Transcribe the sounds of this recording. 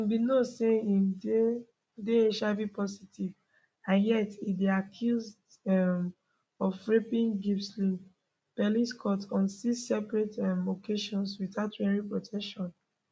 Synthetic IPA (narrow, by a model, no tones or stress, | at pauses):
ĩnbinɔseide | deeʃabipɔsitiv | ãnjɛtideakʰjuzd | ɛm | ɔvfɹipĩŋɡifslĩ | pɛliskʰɔtɔ̃nsisɛpɹetɛmokʰeʃɔ̃nswiθaʊtɹɛɹipɹotʰɛkʃɔ̃n